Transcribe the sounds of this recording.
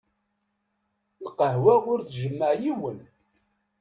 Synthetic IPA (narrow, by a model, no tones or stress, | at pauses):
lqəɦwæʊɾθʒəmːəʕjiwən